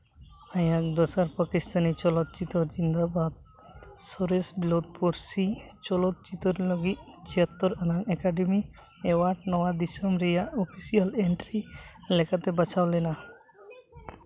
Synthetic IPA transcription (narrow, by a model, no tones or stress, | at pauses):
ajak̚d̪ɔsaɾpakist̪ʰanit͡ʃɔlɔt̪̚t͡ʃit̪ɔɾd͡ʒind̪abad̪̚ | sɔɾesbiloʈ̚poɾsit͡ʃɔlɔt̪̚t͡ʃit̪ɔɾlɔɡit̪̚t͡ʃʰijat̪ːɔɾanaŋɛkaɖimi | ɛwaʈnɔwad̪isɔmɾɛjaʔɔpʰisialeɳʈɾilɛkat̪ɛbat͡ʃʰawlɛna